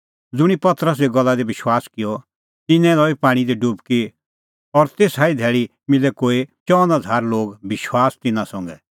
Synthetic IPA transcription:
d͡zʊɽ̃ipɐt̪əɾəs̬eɡɔlːad̪ebɪʃwaːskɪjɔ | t̪ɪnɛ̃lɔipaːɽ̃id̪iɖʊbki | ɔɾt̪eːsaːid̪ʱɛːɭi | mɪlɛkoːit͡ʃɔ̃ːnad͡zʱaːɾloːɡbɪʃwaːst̪ɪnãsɔ̃ŋɡɛ

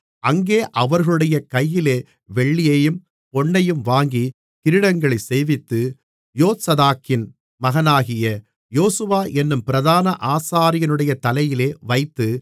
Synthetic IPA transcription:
ʔɐŋɡeːʔɐʋɐɾɣɐɭɯɽɐjɐkɐjːɪleː | ʋɛɭːɪjeːjɯm | pɔɳːɐjɯmʋaːŋɡi | kɪɾɪɽɐŋɡɐɭɐɪseːʋɪt̪ːɯ | joːt̪sɐðaːkːɪn | mɐɣɐnaːɣɪjɐ | joːsɯʋaːʔɛnːɯmpɪɾɐðaːnɐʔaːsaːɾɪjɐnɯɽɐjɐt̪ɐlɐjɪleːʋɐɪt̪ːɯ

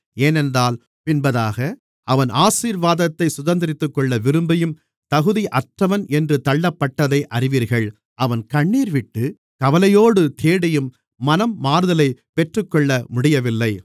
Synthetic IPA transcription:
eːnɛndraːl | pɪnbɐðaːɣɐ | ʔɐʋɐnʔaːsiːɾʋaːðɐt̪ːɐɪsʊðɐnd̪ɪɾɪt̪ːɯkːɔɭːɐʋɪɾɯmbɐjɯm | t̪ɐɣɯðiʔɐʈrɐʋɐnʔɛndrɯt̪ɐɭːɐpːɐʈːɐðɐɪʔɐrɪʋiːɾɣɐɭ | ʔɐʋɐnkɐɳːiːɾʋɪʈːɯ | kɐʋɐlɐjoːɽɯt̪ʰeːɽɐjɯmː | ɐnɐmːaːɾðɐlɐɪpɛʈrɯkːɔɭːɐmʊɽɪjɐʋɪlːɐɪ

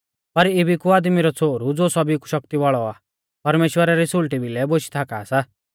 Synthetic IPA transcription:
pɐɾɪbʱikuaːd̪miɾɔt͡sʰoːɾud͡zoːsɔbiku̥ʃɐkt̪iʋɔɭɔaː | pɐɾmeːʃwəɾaɾisʊlʈibʱilɛboʃi̥t̪ʰaːkaːsa

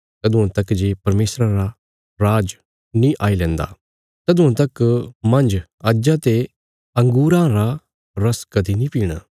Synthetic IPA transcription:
t̪ɐd̪ʊãt̪ɐkd͡ʒeːpɐɾmeːsɾãɾa | ɾaːd͡ʒ | nĩʔaːilɛ̃ːnd̪a̰ː | t̪ɐd̪ʊãt̪ɐkmɐ̃nd͡ʒ | ad͡ʒat̪e | ɐ̃ŋɡuːɾãɾa | ɾɐskɐd̪inĩpiːɽ̃a̰ː

